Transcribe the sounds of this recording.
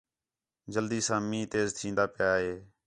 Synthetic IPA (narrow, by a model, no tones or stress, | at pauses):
d͡ʒəld̪iːsãːmĩːt̪eːzt̪ʰĩːnd̪aːpɪjaːɦeː